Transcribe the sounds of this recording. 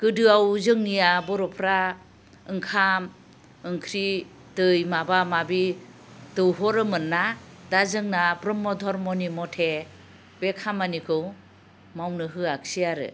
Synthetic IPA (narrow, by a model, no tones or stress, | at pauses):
kɯdɯawzɯŋnijabɔɾɔpʰɾa | ɯŋkʰam | ɯŋkʰɾi | dɯjmabamabi | dɯwɦɔɾɯmɯnːadazɯŋnabɾɔmːɔdʱɔɾmɔnimɔtʰe | bekʰamanikʰɯw | mawnɯɦɯaksiaɾɯ̰